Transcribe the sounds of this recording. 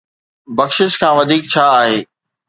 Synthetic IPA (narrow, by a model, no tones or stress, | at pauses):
bɐkʃɪʃkʰãːʋɐd̪ʱiːk̚t͡ɕʰaːɦeː